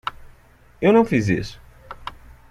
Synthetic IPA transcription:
ewnɐ̃w̃fizḭsʊ̥

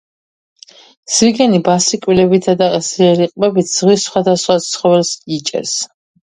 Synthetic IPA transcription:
siɡɛnibasikʼwilɛbit̪ʰad̪aqʼɛsɾiɛɾiqʼbɛbit̪ʰz̥ʁwisːχwad̪asχwat̪sʰχɔvɛlsit͡ʃʼɛ̰ɾs

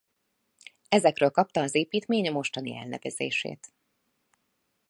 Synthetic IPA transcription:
ɛzɛkrøːlkɒp̚t̪ɒːzeːpiːt̪meːɲɒmo̞ʃt̪ɒnḭɛ̰lnɛ̰vɛzḛːʃḛːt̪

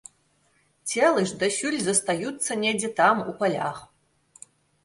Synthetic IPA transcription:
tʰʲelˠɨʂd̪ɐɕulʲzɐst̪ajutt͡sːɐnʲedʲit̪ʰamupɐlʲa̰χ

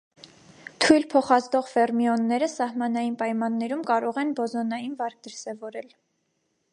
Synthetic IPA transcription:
t̪ʰujlpʰɔχɑzd̪ɔʁvɛrmiɔnːɛɾəsɑhmɑnɑjinpɑjmɑnːɛɾumkɑɾɔʁɛnbɔzɔnɑjinvɑɾk̚ʰd̪əɾsɛvɔɾɛl

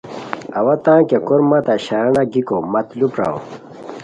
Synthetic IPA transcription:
ɐwɐt̪ãːkekoɾmat̪aɕɐɾɐnaɡikomɐt̪lupɾa̰o̰

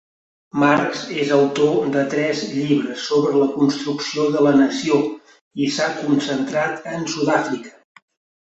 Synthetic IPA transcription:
markzsezəwt̪od̪ət̪ɾɛzʎiβɾəsːoβɾələkunst̪ɾuksioðələnəsio | isakunsənt̪ɾat̪ənsuðafɾikə̥

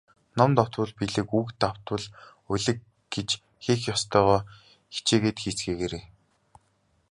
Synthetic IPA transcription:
nɔmt̪ɔwt̪wə̆ɮpiɮɘ̆kukt̪aw̥t̪wə̆ɮ | ɵɮɘ̆k | ɡet͡ɕ | xixjɔst̪ʰœːʁɔː | xi̥t͡ɕeːɣeːt̪xiːt͡sɡeːɣeɾeː

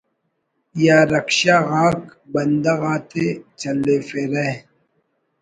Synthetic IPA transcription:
jaːɾɐkʃaːɣaːkbɐnd̪ɐɣaːt̪et͡ʃɐleːfeːɾɐ

